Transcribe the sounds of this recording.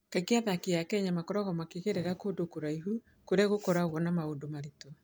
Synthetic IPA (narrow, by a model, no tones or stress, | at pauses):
kakeaðakiakɛɲamakɔɾɔɣɔmakeɣeɾeɾakodokoɾaiɦu | koɾaɣokɔɾaɣɔnamaoːndomaɾitɔ